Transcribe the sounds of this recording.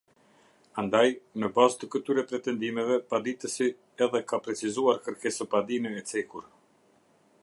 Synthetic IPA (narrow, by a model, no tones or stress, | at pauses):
and̪ajnəbazt̪əkət̪yɾɛpɾɛt̪ɛnd̪imɛvɛpad̪it̪əsi | ɛðɛkapɾɛt͡sizuaɾkəɾkɛsəpad̪inɛɛt͡sɛkuɾ